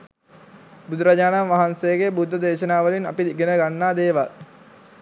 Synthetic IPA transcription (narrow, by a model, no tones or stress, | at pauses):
bud̪uɾaɟaːnamʋaɦansejəɡebud̪ʱːəd̪eːʃənaːʋəlina̰pid̪iɡenəɡanːaːd̪eːʋa̰l